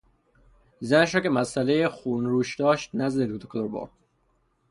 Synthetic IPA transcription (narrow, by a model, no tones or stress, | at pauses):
zæneʃ̬ɾɒːcʰemæsælejexuːnɾuːʃd̪ɒːʃt̪næzd̪ed̪̚ut̪ʰokʰod̪oɾbo̰ɾd̪̥